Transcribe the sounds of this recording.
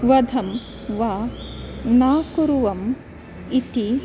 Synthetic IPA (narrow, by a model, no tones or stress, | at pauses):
ʋɐd̪ʱɐm | ʋaː | naːkuɾuʋɐm | it̪i